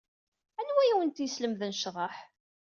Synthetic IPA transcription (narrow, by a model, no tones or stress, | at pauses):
ænwæjæwənt̪jəsləmðənʃðˤɑħ